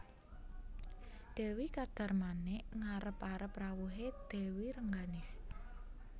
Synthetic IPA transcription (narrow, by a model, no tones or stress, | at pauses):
d̪̥ɛ̤wikad̪̥a̤rmanɛʔŋaɾəpaɾəprawuɦed̪̥e̤wiɾəŋɡanɪs